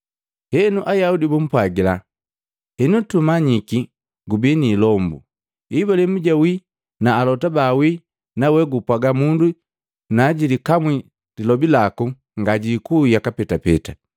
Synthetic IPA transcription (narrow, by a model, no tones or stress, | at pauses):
hɛnuʔajaudibum̩pwaɡila | hɛnutumaɲiki | ɡubinilɔmbṵ | ibalɛmuɟawi | naːlɔtabawi | nawɛɡupwaɡamundu | naɟilikamwi | dilɔbilaku | ŋɡaɟikujakapɛtapɛ̰ta